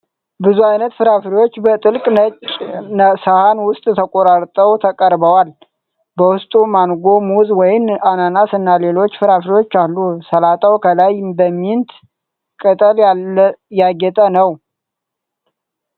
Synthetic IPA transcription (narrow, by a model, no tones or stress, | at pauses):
bɨzuajnət̪fɨɾafɾiwot͡ʃːbət̪ʼɨlkʼət͡ʃʼ | səhanwʊst̪ʼt̪ʰəkʼoɾaɾt̪ʼəwt̪ʰəkʼəɾbəwal | bəwʊst̪ʼumanɡo̞muzwɔjɪnananasɨnːale̞lo̞t͡ʃːfɨɾafɾiwo̞t͡ʃːalːusəlat̪ʼəwkʰəlajbəmːint̪ | kʼət̪ʼəl | jaɡɛt̪ʼənəw